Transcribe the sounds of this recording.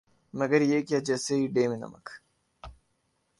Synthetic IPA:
mɐɡɐɾjeːkiɐd͡ʒɐseiɖeːminɐ̰mɐ̰k

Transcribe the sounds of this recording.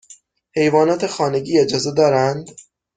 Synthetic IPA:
he̞jvɒːnɒːt̪ʰe̞xɒːne̞ɟiːe̞d͡ʒɒːze̞d̪ɒːɾænd̪

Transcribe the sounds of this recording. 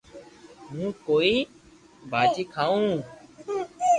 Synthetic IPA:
mũːkoːiː | bʱaːd͡ʒiːkʰaːũː

